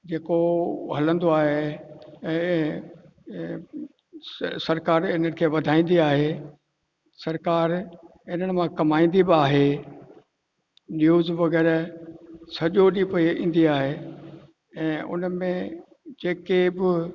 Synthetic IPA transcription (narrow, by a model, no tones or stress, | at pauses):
d͡ʑeːkoɦɐlə̃nd̪oaːɦẽ | sɐɾkaːɾɪn̤ənɪ̆kʰeːʋɐd̪ʱaːĩːn̆d̪iaːɦe | sɐɾkaːɾ | ɪn̤əɽ̃̆mãkɐmaːĩːn̆d̪ibɪaːɦe | njuːzʋɐɣɛːɾ | sɐʄoɗipɐiḭ̃ːn̆d̪iaːɦe | ɛ̃ːʊ̰nmẽ | d͡ʑeːkebɪ